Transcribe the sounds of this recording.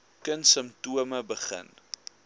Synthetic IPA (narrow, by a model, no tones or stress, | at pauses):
kənsəmtuəməbəχə̰n